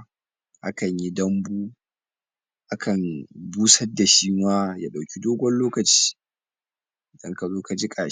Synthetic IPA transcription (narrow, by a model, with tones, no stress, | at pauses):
ha̰˦kɐ˨ɲji˦dɐ˦mbuː˦ | ʔa˦kʰɐ˨nbuː˦sɐ˦da˨ʃiː˦waː˦ja̰˦ɗa˨wkʲi˦doː˦ɡʷɔ˦nloː˦kɐ˨t͡ʃi̥ː˦ | ʔɪ˨dɐ˦ŋka˨zoː˦ka˨d͡ʒi˦kʼa˨˦